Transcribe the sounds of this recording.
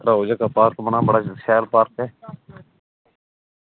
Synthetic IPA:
ɾaːɦoːd͡ʒaːkaːpaːɾkmənãːbəɽaːt͡ʃsʰɛːlpaːɾkɛː

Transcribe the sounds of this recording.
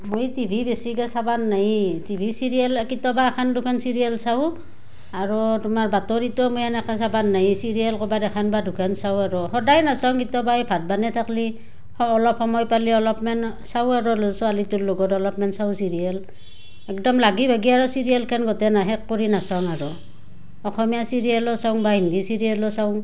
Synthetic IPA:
mojtibʱibesikɛsabanːajtibʱisiɹiɛlkitɔbaɛkʰandʱukʰansiɹiɛlsaw | aɹɔtumaɹbatɔɹitɔmojɛnɛkʰasabanːajisiɹialkɔbadɛkʰanbadʱukʰansawaɹɔɦɔdajnasawŋkitɔbajbʱat̚banɛtʰakli | ɔɔlɔp̚hɔmɔjpaliɔlɔpmɛn | sawaɹɔlɔsɔalitulloɡɔtɔlɔpmɛnsawsiɹial | ɛk̚dɔmlaɡibʱaɡiaɹɔsiɹialkʰanɡɔtɛnaɦɛkkːoɹinasawŋaɹɔ | ɔxɔmijasiɹialɔsaʊŋbaɦindisiɹialɔsaʊŋ

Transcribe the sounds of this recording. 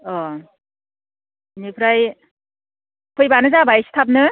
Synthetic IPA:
ɔ | nipʰɾaj | kʰɯjbanɯzabajsi̥t̪ʰap̚nɯ

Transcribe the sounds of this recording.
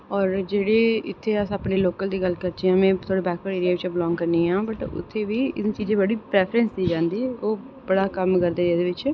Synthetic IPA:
ɔːɾd͡ʒeːɽeːɪt̪ʰːeːəsaːpɳeːloːkəld̪iːɡəlkəɾt͡ʃiːãːmɛ̃ːt̪ʰoːɽeːbɛːkpəːɽeːɾɪjaːʋɪt͡ʃːblɔ̃ːŋɡkəɾniːɦãːbəʈʊ̰t̪ʰːeːʋiːɪ̰t͡ʃiːd͡ʒẽːbəɽiːpɾɛːpʰəɾə̃nsd̪iːd͡ʒãːnd̪iːɛːoː | bəɽaːkəmkəɾd̪eːɾeːd̪eːʋɪt͡ʃ

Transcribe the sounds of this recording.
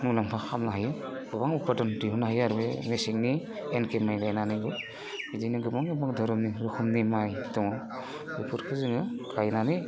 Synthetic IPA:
mulampʰaxʰamnaɦajɯ | ɡ̥ɯbaŋupʰadɔndiɦunaɦajaɾbemesik̚nienkemajlajnaniɡɯ | bidiniɡɯbaŋɯbaŋdɔɾɔmniɾɯkʰumnimajdɔŋɯ | bipʰuɾkʰɯzɯŋɯkʰajnani

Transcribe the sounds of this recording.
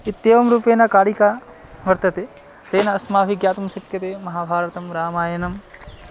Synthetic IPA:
it̪jeːʋɐmɾuːpeːnɐkaːɽika | ʋɐɾt̪ɐt̪eː | t̪eːnɐɐsmaːʋiɡjaːt̪ɐmʃɐʈkjɐt̪eːmɐɦaːbʱaːɾɐt̪ɐmɾaːmaːjɐnɐm

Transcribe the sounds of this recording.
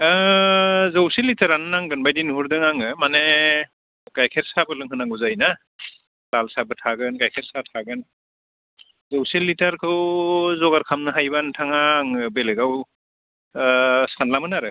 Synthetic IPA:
zɯwsilːitʰaɾanɯnaŋɡɯnbajdinɦuɾdɯŋaŋɯmane | kajkʰeɾsabɯlɯŋɦhɯnaŋuzajna | lalsabɯtʰaɡɯnkajkʰeɾ̚satʰaɡɯn | zɯwselːitʰaɾkʰɯwzɔɡaɾkʰamnɯɦajbantʰaŋaŋɯbeleɡaw | sanlamɯnaɾɯ

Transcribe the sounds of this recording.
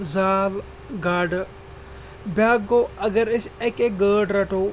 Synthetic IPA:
zaːl | ɡaːɖ | bjaːɡoːɐɡəɾɪsekeɡəːɖɾɐʈʰoː

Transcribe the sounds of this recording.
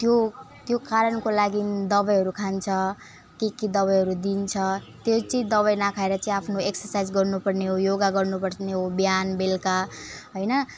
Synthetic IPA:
t̪jo | t̪jokaɾʌnkolaɡid̪ʌbʌjɦʌɾukʰant͡sʰʌ | kekid̪ʌbʌjɦʌɾud̪int͡sʰʌt̪jet͡sʌĩd̪ʌβʌjnakʰaeɾʌt͡sʌĩapʰnoeksʌrsajd͡zɡʌrnupʌrneɦojoɡaɡʌrnupʌrneɦobjanbelkaɦʌjnʌ

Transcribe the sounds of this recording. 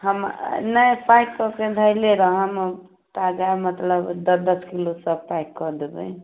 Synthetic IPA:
həmnəpajʈkɔked̪ʱəjleɾʌɦəm | t̪aɡamət̪ləbd̪ʌd̪ʌskilosʌb̚pajkkɔd̪ebə̰j

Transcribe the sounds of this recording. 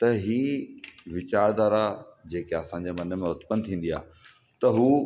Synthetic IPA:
t̪ɐɦiːʋɪt͡ɕaːɾd̪aːɾad͡ʑeːkeɐsãːɲ̆d͡ʑemɐnə̆mẽʊt̪pənt̪ʰĩːn̆d̪ia̰ː | t̪ɐɦuː

